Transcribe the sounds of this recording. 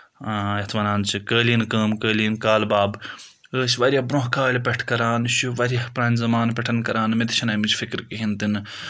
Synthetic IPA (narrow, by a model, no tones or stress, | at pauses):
ɐt̪ʰʋɐnaːnt͡ʃʰikəːlinkəːmkəːlinkaːlbaːb | əːsʋɐɾʲjɐbɾõɦkaːlʲpʲɐʈʰkɐɾaːnʃuʋɐɾʲɐhpɾaːnʲzɐmaːnpʲɐʈʰɐnkɐɾaːnmit̪t͡ʃʰinɐːmit͡ʃʰfʰikɾkiɦint̪in